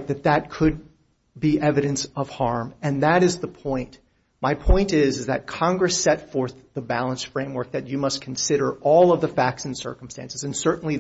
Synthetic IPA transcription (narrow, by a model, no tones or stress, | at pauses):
t̪̚ðɨt̪̚ðɨt̚kʰɨd̚ | biʔɛvɨɾɨ̃nsʌv̥hɑɹmɨ̃nðɨɾɨzðəpʰɔ̃ɪ̃nt | maɪpʰɔ̃ɪ̃ntɪzɨzðɨ̰t̚kʰɑ̃ŋɡɹɨsɛtfɔɹθðəbælˠə̃nsfɹẽɪ̃mwɜ˞k̚ðɨt͡ʃɨmʌskʰn̩sɪɾə˞ɔlˠʌvðəfæk̚tsnsɜ̰˞km̩stæ̰̃nsɨzɨ̃nsɜ˞ʔn̩li